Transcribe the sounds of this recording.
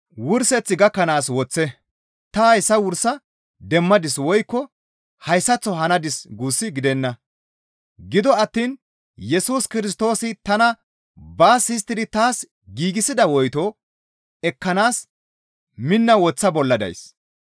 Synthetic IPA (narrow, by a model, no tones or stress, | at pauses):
wʊɾsɛt͡sːɪɡɐkːɐnaːswɔt͡sːɛ | t̪ɐhɐjsɐwʊɾsɐ | d̪ɛmːɐd̪ɪswɔjkːɔ | hɐjsːɐt͡sːɔɦɐnɐd̪ɪsɡuːsːɪɡɪd̪ɛnːɐ | ɡɪd̪ɔɐt̪ːiːn | jɛsuːskɪɾɪs̬t̪o̞ːsɪt̪ɐnɐ | baːsɪs̬t̪ːɪd̪ɪt̪aːs | ɡiːɡɪsɪd̪ɐwɔjt̪oː | ɛkːɐnaːs | mɪnːɐwɔt͡sːɐbɔlːɐd̪ɐ̰js